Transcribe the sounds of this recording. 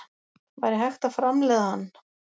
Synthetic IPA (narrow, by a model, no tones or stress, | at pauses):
vajɾɪɦajxt̪afɾamlɛːðahanː